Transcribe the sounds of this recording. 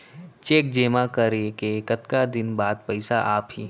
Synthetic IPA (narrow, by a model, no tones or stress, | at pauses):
t͡ʃeːk̚d͡ʒeːmakəɾekekət̪kad̪ɪnbaːd̪̚pɐɪsaʔaːpɦiː